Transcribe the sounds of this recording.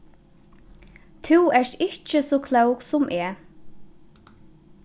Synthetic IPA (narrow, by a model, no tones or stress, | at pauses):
t̪ʰuwɛʂɪht͡ʃəsɔːkʰlœwksʊmʔɛː